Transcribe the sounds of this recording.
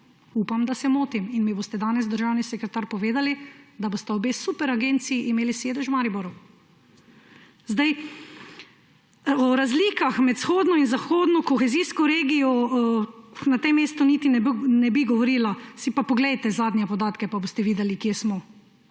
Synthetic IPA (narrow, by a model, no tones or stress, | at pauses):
uːpamd̪asɛmoːt̪iminmiboːst̪ɛd̪aːnɛzd̪əɾʒawnisɛkɾɛt̪aːɾpɔʋeːd̪alid̪aboːst̪ɛɔbeːsupɛɾaɡent̪siːʔimeːliseːd̪ɛʃwmaːɾiboɾu | zd̪aj | ɔɾazliːkaxmɛt̪sxoːd̪nɔinzaxoːd̪nɔkɔxɛziːskɔɾeːɡijɔ | nat̪emːeːst̪ɔnit̪inɛbnɛbiɡɔʋɔɾiːlasipapɔɡlɛjt̪ɛzaːd̪njɛpɔd̪aːt̪kɛpaboːst̪ɛʋiːd̪ɛlikjesmɔ